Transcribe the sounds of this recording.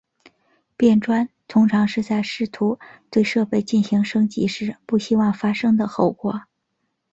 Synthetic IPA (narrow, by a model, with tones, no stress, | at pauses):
pjɛ˥˩nʈ͡ʂwa˥nt̪ʰʊ˥ŋʈ͡ʂʰɑ˧˥ŋʂɻ̩˥˧t͡sa˥˧ɪʂɻ̩˥˩t̪ʰu˧˥t̪we˥˧ɪʂɤ˥˧pe˥˧ɪt͡ɕi˥˩nɕi˧˥ŋʂɤ˥ŋt͡ɕḭ˧˥ʂɻ̩˥˩pu˥˩ɕi˥wɑ˥˩ŋfa˥ʂɤ˥ŋd̪ə˨xo˥˩ʊkwɔ˧˥